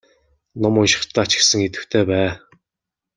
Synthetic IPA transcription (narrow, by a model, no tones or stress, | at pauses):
nɔmʊnʃɪ̥̆χt̪ʰːæːat͡ɕɪ̥̆ksə̆ŋit̪ɘ̆wt̪ʰeːpæː